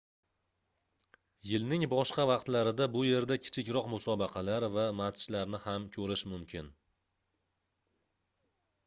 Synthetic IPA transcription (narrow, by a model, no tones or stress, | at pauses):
jɪlnɪŋbɒʃqɑvɑqt̪laɾɪd̪abʊje̞ɾd̪akʲʰɪ̥t͡ʃʰɪkʲɾɒqmʊsɒbɑqʰɑlaɾvamat̪ʰʃlaɾnɪhamkʲʰɵɾɪʃmʊmkʲʰɪn